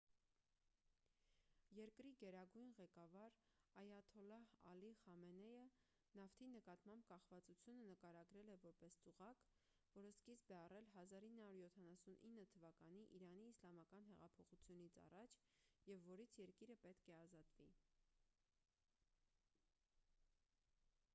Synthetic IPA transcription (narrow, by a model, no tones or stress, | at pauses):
jɛɾkɾiɡɛɾɑɡujnʁɛkɑvɑɾ | ɑjɑt̪ʰɔlɑhɑ̰liχɑmɛnɛjə | nɑft̪ʰinəkɑt̪mɑmb̚kɑχvɑt͡sut͡sʰjunənəkɑɾɑɡɾɛlɛvɔɾpɛst͡suʁɑk | vɔɾəskisbɛɑrɛlɦɑzɑɾinːhɑuɾjɔt̪ʰɑnɑsunʔinːət̪ʰəvɑkɑn̪iʔiɾɑniːslɑmɑkɑn̪ɦɛʁɑpʰɔχut͡sʰjunit͡sʰɑ̰rɑt͡ʃʰ | jɛvːɔɾit͡sʰjɛɾkiɾəpɛt̪kʰɛɑzɑt̪vi